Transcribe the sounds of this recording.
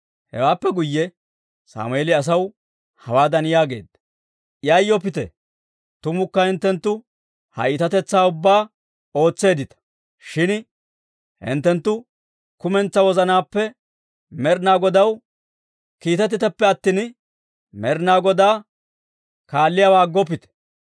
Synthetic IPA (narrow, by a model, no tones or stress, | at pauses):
hɛ̰waːpːɛɡʊjːɛ | sa̰ːmʊeːlɪɐs̬ɐw | hɐwaːd̪ɐnɪjaːɡeːd̪ːɐ | jɐjːɔpɪt̪ɛ̰ | t̪ʊmʊkːɐhɪnt̪ːɛnt̪ːʊ | hɐ̰jɪt̪ɐt̪ɛt͡sːaːʊbːaː | o̞ːt͡sːe̞ːd̪ɪt̪ɐ̥ | ʃɪn | hɪ̰nt̪ːɛnt̪ːʊ | kʊmɛnt͡sːɐwɔzɐnaːpːɛ | mɛɾnaːɡɔd̪ɐw | kiːt̪ɛt̪ɪt̪ɐpːɛɐt̪ːɪn | mɛɾnaːɡɔd̪aː | kaːlːɪjaːwaːɡːɔp̬ɪt̪ɛ̥